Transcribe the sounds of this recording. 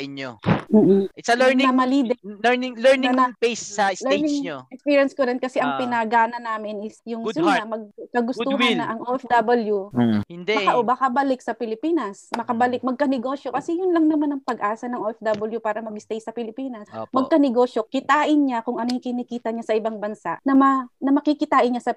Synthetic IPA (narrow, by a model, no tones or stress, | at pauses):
ɐɪɲom̩ːʔ̩ɛɐmɐliːd̪ɛɪŋlɛnɪnŋpejsɐlɛnɪŋoɛkspiɹjɐnskoɾɛn̚kɐsɛʔɐŋpɪnɐɡaːnɐnaːmɪnɪsjʊŋsʊɐmɐɡ̚kɐɡʊsuhanːɐʔɐŋʔoʔɛfd̪abɐljuɪnd̪ɛɐkaʔobakɐbɐlɪk̚sɐpɪlɪpiːnɐsmɐkɐbɐlɪk̚mɐɡ̚kɐnɛɡo̞ːʃjokɐsɛjʊnlɐŋnɐmanɐŋpɐɡʔaːsɐnɐŋʔoʔɛfd̪ɐbɐljupaːɾɐmɐɡɪst̪ɛjsɐpɪlɪpiːnɐsmɐɡkɐnɪɡo̞ːʃjo̞kɪt̪aːʔɪnɲakʊŋʔɐnokɪnikiːt̪ɐɲasɐʔɪbaŋbɐnsa̰ʔnɐmɐnɐmɐkikɪt̪aːʔɪnɲasɐ